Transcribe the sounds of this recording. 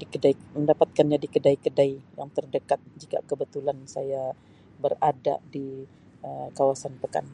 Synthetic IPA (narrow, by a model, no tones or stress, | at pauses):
dikədaiməndapat̪̚kanɲadikədaikədaijaŋt̪ərdəkat̪̚d͡ʒika̰kəbət̪ulansaja | bərada̰di | əkawasanpəka̰n